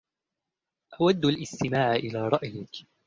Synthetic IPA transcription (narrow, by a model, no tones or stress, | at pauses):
ʔawad̪ːalʔɪst̪ɪmaːʕʔɪlaːɾˤɑʔjɪk